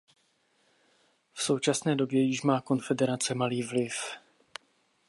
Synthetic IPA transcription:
fso̞wt͡ʃasnɛːdo̞bjɛjɪʃmaːko̞nfɛdɛɾat͡sɛmaliːvlɪf

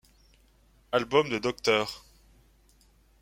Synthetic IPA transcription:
albɔmd̪əd̪ɔk̚t̪œːʁ

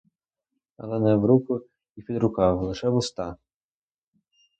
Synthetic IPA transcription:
ɐ̰lˠɛnɛwɾukʊ | ipʲid̪ɾʊkɑwlˠɪʃɛbʊst̪ɑ

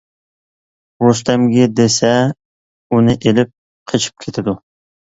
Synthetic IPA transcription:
wost̪ɛmɡʲɛd̪esɛ | unɪʔelɪp̚ | qʰət͡ʃʰi̥p̚kʲʰet̪ʰɪd̪u

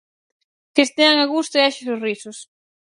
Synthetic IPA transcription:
kest̪eaŋaɣust̪eaʃɪsorisʊs

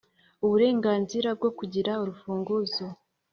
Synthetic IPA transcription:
uβuɾe̞ːŋɡaːnziɾab̚ɡo̞kuɟiɾauɾufuːŋɡuzo

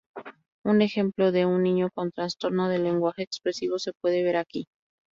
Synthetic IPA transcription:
une̞xe̞mplo̞ðe̞unːĩɲo̞ko̞nt̪ɾanst̪o̞ɾnoðe̞le̞ŋɡwaxeːkspɾe̞siβo̞se̞pwe̞ðe̞β̞e̞ɾaki

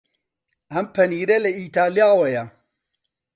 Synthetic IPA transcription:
ampɐniɾeleitaliawaja

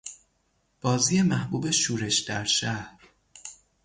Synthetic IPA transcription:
b̥ɒːziːje̞mæhbuːbe̞ʃuːɾe̞ʃd̪æɾʃæhɾ

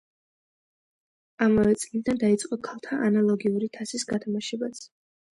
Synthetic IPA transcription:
amavɛt̪sʼlid̪and̪ait̪sʼqʼɔkʰalˠt̪ʰaʔanalˠɔɡiuɾit̪ʰasisɡat̪ʰamaʃɛbasʰ

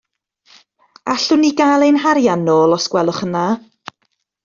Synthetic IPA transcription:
aɬʊnːiɡalˠejnɦaɾjanːoːlˠɔskwɛlˠʊχənːaː

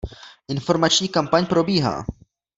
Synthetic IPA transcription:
ʔɪnfo̞ɾmat͡ʃɲiːkampaɲpɾo̞biːɦa̰ː

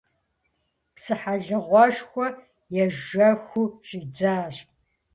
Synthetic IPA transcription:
psɨħaɮɨʁʷɔʃxʷɔ | jɛʒɐxʷuɕʼiːd͡zaːɕ

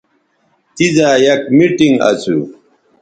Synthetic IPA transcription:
t̪izaːjɐkmiʈiŋɡɐ̰t͡sʰu

